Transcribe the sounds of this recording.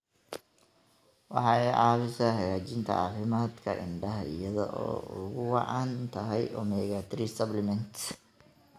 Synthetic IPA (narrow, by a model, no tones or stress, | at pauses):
wɑ̰ħɑɛʔɑːfɪsɐhɐjaːt͡ʃɪnt̪ʰɐ̰a̰fɪmaːd̪kʰɐ̰ʔɪ̰nɖɐɦɪjɐðɔ̰ʔɔ̰ːʔʊɣʊwɑʕɑnt̪ʰɐɦɛjʔɔmɛjat̪ʰɾisɐblɛmɛnt̪